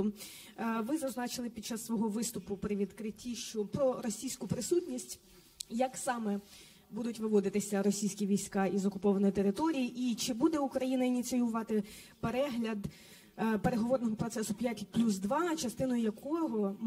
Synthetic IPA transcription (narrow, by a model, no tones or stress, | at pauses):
ʋɪzɐznɑt͡ʃɪlˠɪpʲid̚t͡ʃːɑsːʋɔɦɔʋɪst̪ʊpʊpɾɪʋʲid̪kɾɪtʲːiʃt͡ʃɔpɾɔɾɔsʲijsʲkʊpɾɪsutʲnʲisʲtʲ | jɐksɑmɛ | bud̪ʊtʲʋɪʋɔd̪ɪt̪ɪsʲɐɾɔsʲijsʲkʲiʋʲijsʲkɑizɔkʊpɔʋɐnɔjt̪eɾɪt̪ɔɾʲijiʔit͡ʃɪbud̪ɛukɾɐjinɐinʲit̪sɨjʊʋɑt̪ɪ | peɾɛɦlʲɐd̪ | peɾeɦɔʋɔrnɔɦɔpɾɔt̪sɛsʊpʲjatʲplʲus̬d̪ʋɑt͡ʃɐst̪ɪnɔjʊjɐkʰɔɦɔ